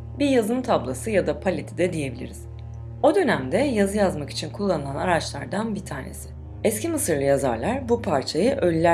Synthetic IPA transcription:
biɾjazɯmɯt̪ʰablˠasɯjad̪apʰalʲe̞t̪ʰid̪ɛd̪ije̞bilʲḭɾiz̥ | o̞d̪ø̞næmd̪ɛjazɯjazmaki̥t͡ʃʰinkʰulˠːanɯlˠanaɾat͡ʃlˠaɾd̪anbit̪ʰaːnḛsɪ̥ | ɛscimɯsɯɾlˠɯjaza̰ɾlˠaɾbupʰaɾt͡ʃʰajɯʔø̞lʲːæ

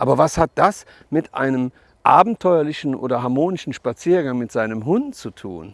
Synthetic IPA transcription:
ʔaːbɐvashat̚d̥as | mɪtʔa̰ɪnəm | ʔaːbm̩tʰɔʏɐlɪʃn̩ʔo̰ːdɐɦaɐmoːnɪʃn̩ʃpat͡siːɐɡaŋmɪtz̥aɪnəmɦʊntt͡sutʰṵːn

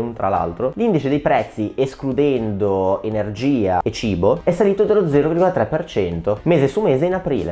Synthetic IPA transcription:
unt̪ɾa̰la̰lt̪ɾolind̪it͡ʃed̪ejpɾɛt̪sːiʔesklud̪ɛnd̪oenerd͡ʒiːa̰et͡ʃiːboɛsːaliːt̪od̪elːod̪zɛːɾovirɡolat̪ɾɛpːert͡ʃɛnt̪omeːzesumeːzeinapɾḭːlḛ

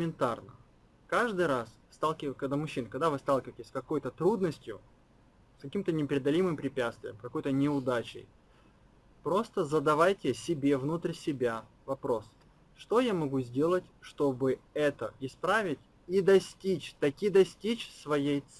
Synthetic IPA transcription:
mʲɪnt̪arnə | kaʐd̪ɨjɾas | st̪alˠkʲɪkɐɡd̪amʊɕːinkɐɡ̚d̪avɨst̪alˠkʲɪvəjtʲɪsʲkɐko̞jt̪ət̪ɾud̪nəsʲtʲjʊ | skɐkʲimt̪ənʲɪpʲɾʲɪɐd̪ɐlʲimɨmpɾʲɪpʲat̪st̪vʲɪjəmkɐko̞jt̪ənʲɪʊd̪at͡ɕɪ̰j | pɾo̞st̪əzəd̪ɐvajtʲɪsʲɪbʲe̞vnut̪ɾʲsʲɪbʲa | vɐpɾo̞s | ʂt̪o̞jamɐɡuzʲdʲe̞lˠətʲʂt̪o̞bɨɛt̪əɪspɾavʲɪtʲ | id̪ɐsʲtʲit͡ɕt̪ɐkʲid̪ɐsʲtʲit͡ɕsvɐjej̪

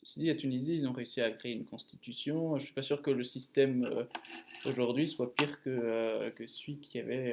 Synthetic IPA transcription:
sid̪iat̪yniziːlzɔ̃ʁeysiakχeeynkɔ̃st̪i̥t̪ysjɔ̃ʒəsɥi̥pasyʁkələsist̪ɛmø | oʒuʁd̪ɥiswapiʁkəøkəsɥikʰʲiavɛ

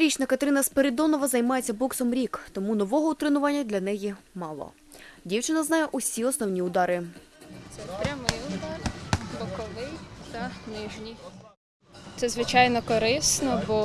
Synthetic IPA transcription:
ɾʲit͡ʃnɐkɐt̪ɾɪnɐspeɾɪd̪ɔnɔʋɐzɐjmɑjet͡sʲːɐbɔksɔmɾʲikt̪ɔmunɔʋɔɦɔʊt̪ɾɪnʊʋɑnʲːɐd̪lʲɐnɛjimɑlˠɔ̰ | dʲiwt͡ʃɪnɐznɑjɛʔusʲiɔsnɔwnʲiʊd̪ɑɾɪt̪sɛpɾʲɐmɪjʊd̪ɑrbɔkɔlˠɪjt̪ɐnɪʒnʲi | t̪sɛzʋɪt͡ʃɑjnɔkɔɾɪsnɔbɔ

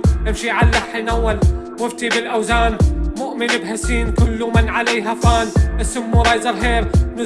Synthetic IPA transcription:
ʔɪmʃiʕalːaħinawːal | wɪft̪ibɪlʔawzaːnmʊʔmɪnɪbhasiːnkʊlːmɪnʕalejɦafaːnʔɪsʊmːuɾˤɑːjzɑɾɦeːɾnʊ

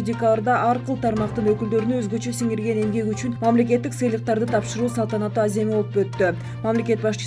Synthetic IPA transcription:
dʲekalˠrd̪ɑʔɑɾqɯlˠt̪ʰɑɾmɑqt̪ɯnøkyld̪ø̞ɾynyøzɡø̞t͡ʃø̞siŋiɾɡe̞ne̞mɡe̞kyt͡ʃynmɑmlʲe̞k̬ʲe̞t̪ːiksɯjlˠəq̚t̪ɑɾd̪ɯt̪ʰɑpʃɯɾuːsɑlˠt̪ɑnɑt̪ːuːaze̞miolˠpøt̪ːy | mɑmlʲe̞kʲe̞t̪̚bɑʃt͡ʃ

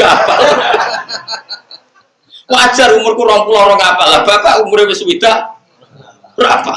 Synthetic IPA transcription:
apal | wad̥ʒ̥arumʊrkuɾɔŋpulɔɾɔkapalab̥akaʔumuɾewɪswid̪̥aʔ | rapa

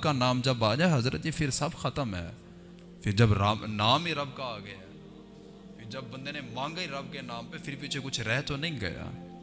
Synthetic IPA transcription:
kanaːmd͡ʒəbaːd͡ʒaɦɐzɾə̰t̪ipʰɪɾsəbxət̪əmɦɛ̰ː | pʰɪɾd͡ʒəbɾaːnaːmiɾɐbkaːɡɐja | pʰɪɾd͡ʒɐb̚ːə̃nd̪eːnemãːŋɡaiɾɐbkenaːmpefʰɪɾpɪt͡ʃʰekʊt͡ʃʰɾɛɦt̪onɐĩːɡə̰ja̰ː

